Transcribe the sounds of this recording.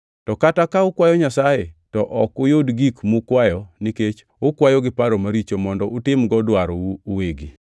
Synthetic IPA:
tɔkatakaʊkwajɔɲasajetɔʔɔkʊjodɡikmʊkwajɔniket͡ʃ | ʊkwajɔɡɪpaɾomaɾit͡ʃomɔndɔʊtɪmɡɔdwaɾuːweɡi

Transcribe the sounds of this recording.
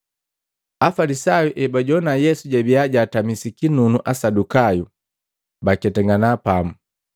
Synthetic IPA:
afalisajuʔɛbaɟɔnajɛsuɟabiaɟaːtamisikinunuʔasadukaju | bakɛtɛŋɡanapamu

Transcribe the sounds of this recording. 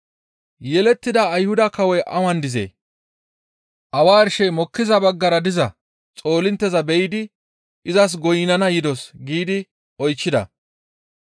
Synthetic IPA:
jɛlɛt̪ːɪd̪ɐːjhʊd̪ɐkɐwɔjʔɐwɐnd̪ɪzḛː | ʔɐwaːɾɪʃɛjmɔkːɪzɐbɐɡːɐɾɐd̪ɪzɐ | t͡sʼo̞ːlɪnt̪ːɛzɐbɛjɪd̪ɪ | ʔɪzɐs̬ɡɔjɪnɐnɐjɪd̪ɔsɡiːd̪ɪ | ʔɔjt͡ʃːɪd̪ɐ̰

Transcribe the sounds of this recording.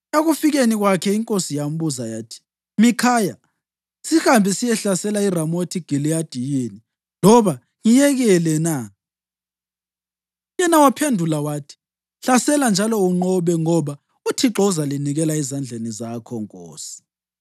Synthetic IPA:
aɣufiɣeniɣwakʰɛiŋkʼosijam̩buzajaːtʰi̥ | mikʰaja | sihambʱisijɛɬasɛlairamotʰiɡ̥ʱiliad̥ʱijeni | lɔβa | ŋijɛɣɛlɛna | jɛnawapʰendʱulawaːtʰi̥ | ɬasɛland͡ʒʱalɔuŋ͡ǃɔβɛŋɔβa | utʰiǁɔuzaliniɣɛlaɛzand͡ɮʱenizakʰɔŋkʼɔ̰ːsi̥

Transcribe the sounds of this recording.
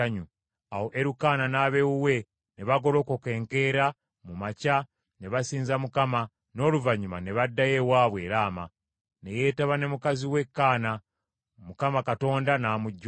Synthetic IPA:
aɲu | awo̞ʔe̞ɾukaːnanaːβe̞wuwe̞ | ne̞βaɡo̞lo̞ːkoke̞ːŋke̞ɾa | mumaca | ne̞βasiːnzamukama | no̞ːluvaɲumane̞βadːaje̞waːβwe̞ːɾaːma̰ | ne̞je̞ːtaβane̞mukaziwe̞kːaːna | mukamakato̞ːndanaːmuɟː

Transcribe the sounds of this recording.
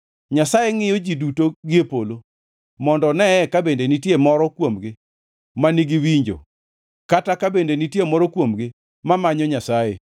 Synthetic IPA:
ɲasajeŋɪjɔd͡ʒidutoɡɪepolo | mɔndɔnɛɛkabendenitjemɔɾɔkwomɡɪ | maniɡiwiɲd͡ʒo̰ | katakabendenitjemɔɾɔkwomɡɪ | mamaɲɔɲasajḛ

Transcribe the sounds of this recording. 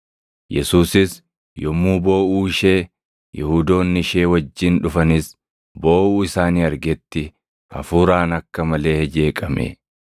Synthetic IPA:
jɛsuːsɪs | jɔmuːbo̞ːʔuːɪʃe̞ː | jɛhuːd̪o̞ːnːɪʃe̞ːwɐd͡ʒːɪnᶑʊfɐnɪs | bo̞ːʔuːɪsaːniːɐɾɡɛt̪ːɪ | ɐ̰fuːɾaːnɐkːɐmɐle̞ːhɛd͡ʒe̞ːkʼɐmɛ̰

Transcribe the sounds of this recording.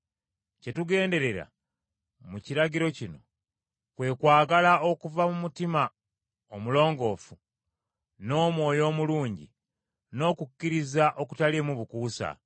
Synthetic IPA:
ce̞tuɡe̞ːnde̞ɾe̞ɾa̰ | muciɾaɟiɾo̞cino̞ | kwe̞ːkwaːɡalao̞kuvamumutima | omulo̞ːŋɡo̞ːfu | no̞ːmwo̞ːjo̞ːmuluːɲɟḭ | no̞ːkukːiɾizaʔo̞ku̥taliemuβukuːsa̰

